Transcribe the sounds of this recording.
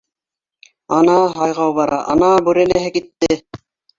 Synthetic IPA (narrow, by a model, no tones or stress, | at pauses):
ɑnɑɦɑjʁɑwβɑɾɑʔɑ̰nɑbʉɾænæɦɘkit̪ːɪ